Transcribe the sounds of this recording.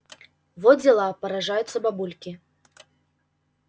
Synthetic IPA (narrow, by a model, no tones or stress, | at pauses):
vɔd͡zʲɛlˠapɐɾaʐajut̪sːɐbabulʲkʲi